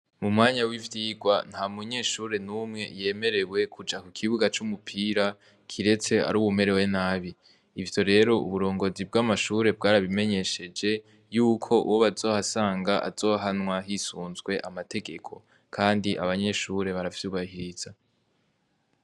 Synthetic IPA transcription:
mumŋaːɲawivjiːɡwan̥hamuɲe̞ːʃuːɾe̞nuːmŋe̞je̞ːme̞ɾe̞we̞kʰud͡ʒakukʰiβuɡat͡ʃumupʰiːɾa | kʰiɾe̞t͡se̞a̰ɾuːβume̞ɾe̞we̞naːβiː | vjo̞ɾe̞ɾo̞ṵβuɾo̞ːŋɡo̞zibɡamaʃuːɾe̞b̚ɡaːɾaβime̞ɲe̞ʃe̞d͡ʒe̞ | juːkʰo̞ʔṵwoβazo̞ːhasaːŋɡaʔa̰z̥o̞ːɦanŋwaɦisuːnzɡwe̞ʔamatʰe̞ɡe̞kʰo̞ | kʰaːndiʔa̰βaɲe̞ʃuɾe̞βaɾafi̥suβahiɾiz̥a

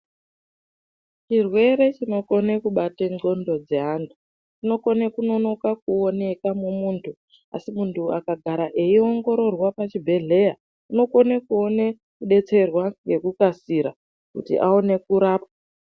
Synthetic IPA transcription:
t͡ʃirwe̞ɾe̞t͡ʃino̞ko̞nekuɓateŋɡo̞ndo̞d͡ze̞ɦandu | t͡ʃino̞ko̞nekuno̞no̞kak̚uone̞kamumuːntʰu | a̰simuntʰuakaɡʱaɾaʔe̞ioŋɡo̞ɾo̞rwapat͡ʃibʱe̞ɮe̞ja | uno̞ko̞nekuone | kuɗe̞t͡se̞rwaŋɡe̞kukasiɾa | kutḭʔaone̞kuɾaːpa

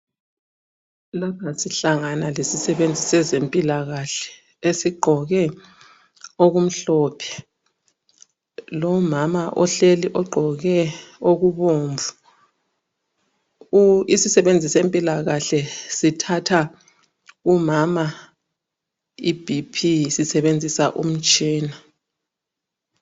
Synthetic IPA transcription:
laβʰasiɬaŋanalesisɛβend͡zʱisɛzempʼilaɣaɬɛ̥ | esiɡ͡ǃʱɔɣɛ | oɣum̩ɬɔpʰɛ̥ | lɔmamaʔɔɬeliʔɔɡ͡ǃʱɔɣɛoɣuβoːɱvu | isisɛβend͡zʱisempʼilaɣaɬɛsitʰatʰa | umama | ib̥ʱipʰisisɛβend͡zʱisaʔṵm̩t͡ʃʼiːna

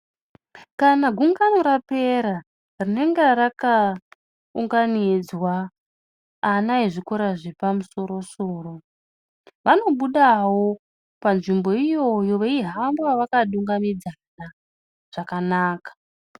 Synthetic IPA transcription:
kanaɡʱuŋɡano̞ɾape̞ɾa | rine̞ŋɡeɾaka | uŋɡanid͡zwaː | naiʐikoɾaʐepamuso̞ɾo̞soːro̞ | ʋano̞ɓuɗawo̞ | panʐimbo̞ijo̞jo̞ʋeiɦambwaʋakaɗuŋɡamid͡zana | ʐ̥akanaːkḁ

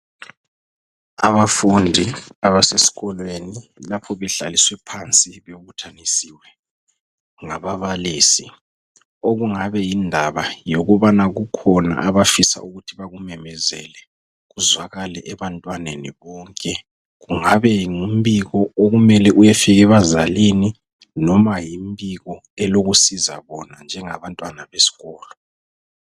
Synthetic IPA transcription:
aβafundʱiaβasesi̥ɣɔlwenilapʰɔβɛɮa̰liswɛpʰant͡sʼiβeβutʰanisiːwɛ | ŋaβaβaliːsi | oɣuŋaβɛjindʱaβajoɣuβanaɣukʰɔna̰ʔaβafisa̰ʔuɣutʰiβaɣumɛmɛzɛlɛ | ɣuzwaɣalɛʔɛβantʼwaneniβɔːŋkʼɛ | ɣuŋaβɛŋumbiɣɔoɣumɛlɛʔujefiɣɛβazalini | nɔmajimbiɣɔ | ɛloɣusiza̰βɔnand͡ʒʱɛŋaβantʼwanaβesi̥ɣɔːlɔ

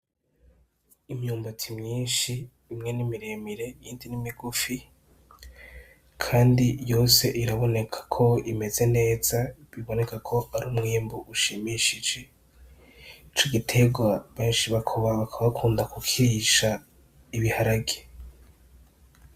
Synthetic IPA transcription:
imjuːmbotʰimɲiːnʃiː | mŋe̞nimiɾemiɾe̞jiːndinimiɡufi | kʰaːndijo̞ːse̞ʔiɾaβo̞ne̞kʰḁkʰo̞ime̞ze̞ne̞ːz̥aβiβo̞ne̞kakʰo̞ʔaɾumŋiːmbuʔuʃiːmiʃid͡ʒe̞ | it͡ʃo̞ɡitʰe̞ɡwaβeːnʃiβakʰoβaβakʰaβakʰuːndakukʰiiʃa | iβihaɾaɡe

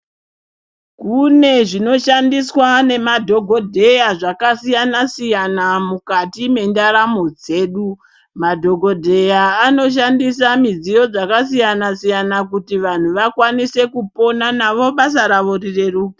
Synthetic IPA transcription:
kune̞ʐino̞ʃandiswane̞madʱo̞ɡʱo̞dʱe̞jaʐakasijanasijanamukatime̞ndaɾamo̞d͡ze̞ːɗu | madʱo̞ɡʱo̞dʱe̞jaːno̞ʃ̬andisamid͡zijo̞d͡zakasijanasijanakutiʋan̤uʋakwanise̞kupo̞nanaʋo̞ɓasaɾaʋo̞rire̞ruːki

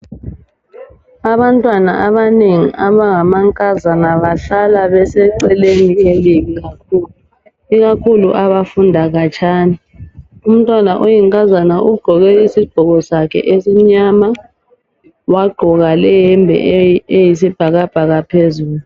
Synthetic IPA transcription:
aβantʼwanaʔaβaneŋḭʔaβaŋamaŋkʼazanaβaɬalaβɛsɛǀɛlenieliβiɣakʰuːlu | iɣakʰuluʔaβafundʱaɣat͡ʃʰʼaːni | um̩tʼwanaʔojiŋkʼazanaʔuɡ͡ǃ̥ʱɔɣɛisiɡ͡ǃ̥ʱɔɣɔsakʰɛ̰ʔesiɲama | waɡ͡ǃʱɔɣalɛjɛmbʱɛ̰ejisib̥ʱaɣab̥ʱaɣapʰezuːlu

